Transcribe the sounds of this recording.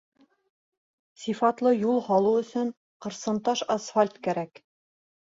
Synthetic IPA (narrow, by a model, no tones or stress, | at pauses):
sifɑt̪lˠɤjulˠhɑlˠuɵ̆sɵɴ | qɤ̆ɾsɤ̆nt̪ɑʃɑsfalʲt̪kæɾæk